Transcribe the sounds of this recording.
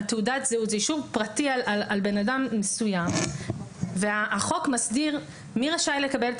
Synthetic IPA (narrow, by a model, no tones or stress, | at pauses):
t̪eudatzeutzeiʃuvpʁatialalalbe̞nadamːesujam | veaːχo̞kmasdiʁ | miʁaʃajle̞kabelt